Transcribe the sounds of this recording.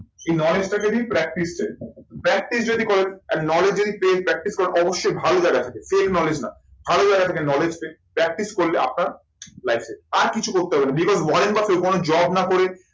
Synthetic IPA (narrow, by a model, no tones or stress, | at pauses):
ejnɔled͡ʑʈaked̪ipɾɛk̚ʈisʈapɾɛk̚ʈis̬d͡ʑod̪ikoɾenɛnnɔled͡ʑd͡ʑod̪ipepɾɛk̚ʈiskoɾenʔɔboʃːojbʱalod͡ʑaɡat̪ʰakefelknɔled͡ʑna̰ | bʱalod͡ʑajɡat̪ʰakenɔled͡ʑpepɾɛk̚ʈiskoɾleʔa̰p̚naɾ | lajfseaɾkit͡ɕʰukoɾt̪eɦɔbenabikɔzwɔɾenbafeokonod͡ʑɔbnakoɾe